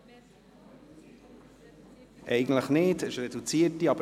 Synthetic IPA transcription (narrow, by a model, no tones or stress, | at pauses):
ʔɛɪɡən̩tləχnɪdɛʃrɛdut͡siətiɑbə